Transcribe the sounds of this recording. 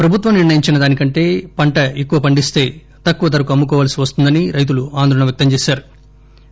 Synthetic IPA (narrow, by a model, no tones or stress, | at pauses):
pɾɐbʱut̪ʋɐmniɾɳɐjiɲt͡ʃinɐd̪aːnikɐɳʈe̞ːpɐɳʈɐekːuʋɐpɐɳɖist̪e̞ː | t̪ɐkːuʋɐt̪ɐɾɐkuɐmːukɔːʋaːlɐsiʋɐst̪und̪ɐniɾɐjt̪̬uluaːnd̪ʱɾɐɳɐmʋjɐk̚t̪ɐmt͡ʃeːsaːɾu